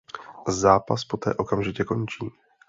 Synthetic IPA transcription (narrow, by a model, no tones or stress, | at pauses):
zaːpaspo̞t̪ɛ̰ːʔo̞kamʒɪcɛko̞nt͡ʃiː